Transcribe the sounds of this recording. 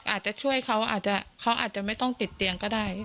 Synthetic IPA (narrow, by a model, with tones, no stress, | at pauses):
ʔaː˨˩t̪̚t͡ɕa˨˩t͡ɕʰu˥˩əjkʰa˦˥wʔa̰ː˨˩t̪̚t͡ɕa˨˩kʰa˦˥wʔa̰ː˨˩t̪̚t͡ɕa˨˩ma˥˩jt̪ɔ˥˩ŋt̪i˨˩t̪ːi˧əŋkɔː˥˩daː˥˩j